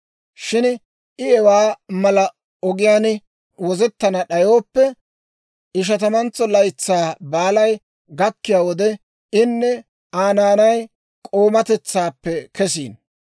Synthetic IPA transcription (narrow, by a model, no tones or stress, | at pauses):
ʃɪn | ɪɛwaːmɐlɐ | ɔɡɪjaːn | wɔzɛt̪ːɐnɐɗɐjoːpːɛ | ɪʃ̬ɐt̪ɐmɐnt͡sːɔlɐjt͡sːaːbaːlɐj | ɡɐkːɪjaːwɔd̪ɛ | ɪnːɛ | aːnaːnɐj | kʼo̞ːmɐt̪ɛt͡sːaːpːɛkɛs̬ḭːn